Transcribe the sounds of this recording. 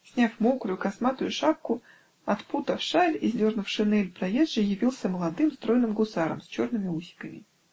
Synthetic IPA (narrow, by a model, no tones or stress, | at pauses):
sʲnʲafmokɾʊjʊkɐsmat̪ʊjʊʂap̚kʊ | ɐt̪put̪əfʂalʲɪzʲdʲo̞rnʊfʂɨnɛlʲpɾɐjezʐɨjɪvʲilˠsʲəməlˠɐd̪ɨmst̪ɾo̞jnɨmɡʊsaɾə̰msʲt͡ɕo̞rnɨmʲɪusʲɪ̥kəmʲɪ